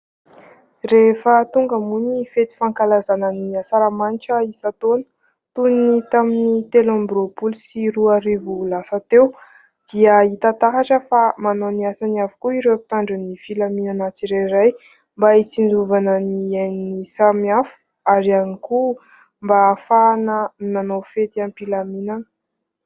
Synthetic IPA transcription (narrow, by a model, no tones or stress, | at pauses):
refət̪uŋɡəmunifet̪i̥faŋkalazanəniasaɾamaniʈ͡ʂəisat̪onə̥ | t̪unit̪aminit̪elambɾopulusiɾuaɾivulasat̪ew | d̪̥iəit̪at̪aɦaʈ͡ʂəfamanoniasaniafu̥kuiɾewapi̥t̪aɳɖ͡ʐanifilaminanat͡siɾejɾaj | mbait͡sind͡zuvanənianisamiafu̥ | aɾianiku | mbafanəinanofet̪ampilaminanə